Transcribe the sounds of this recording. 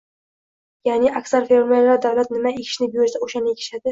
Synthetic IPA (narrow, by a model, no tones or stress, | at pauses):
jaːnɪʔakʲsaɾfeɾmellːaɾd̪avlat̪̚nɪmaekʰʲɪ̥ʃnɪbjoɾsaoʃanɪekʲʰɪ̥ʃad̪ɪ